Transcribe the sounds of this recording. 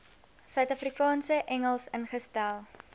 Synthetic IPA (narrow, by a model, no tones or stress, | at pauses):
sœɥtɐfrikɑːnsəʔɛŋəlˠsənχəstælˠ